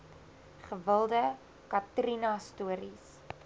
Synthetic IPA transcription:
χəvəlˠdə | kɐtrinɐstuəɾis

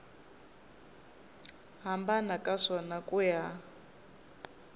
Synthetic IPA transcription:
ɦambanakʼaʂɔnakʼuja

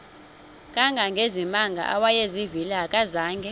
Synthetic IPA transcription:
kʼaŋɡʱaŋɡʱezimaŋɡʱa̰ʔawajezivilakʼazaːŋɡʱɛ

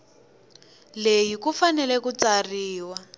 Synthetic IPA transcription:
lejikufanɛlɛkut͡sariːwa

